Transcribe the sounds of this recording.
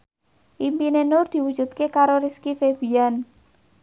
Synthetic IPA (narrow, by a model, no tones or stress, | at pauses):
ʔimpinenʊrd̪̥i̤wud̥ʒ̥ṳt̪̚kekaɾoɾiskifeb̥ian